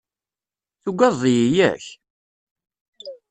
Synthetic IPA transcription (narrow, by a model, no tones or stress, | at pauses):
θuɡʷɑðˤijijæ̰ç